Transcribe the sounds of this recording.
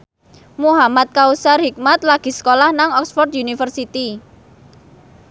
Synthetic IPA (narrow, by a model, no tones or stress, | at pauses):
muɦamat̪̚kausarhik̚mat̪̚laɡ̥i̤sə̥kolahnaŋɔksfɔrt̪̚junifərsit̪i